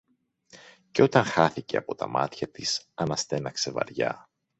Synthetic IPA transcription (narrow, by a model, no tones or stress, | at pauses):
ceo̞t̪ɐŋxɐθice̞ɐpo̞t̪ɐmɐ̰t̪çɐt̪isɐnɐst̪e̞nɐkse̞vɐ̰ɾʝɐ̰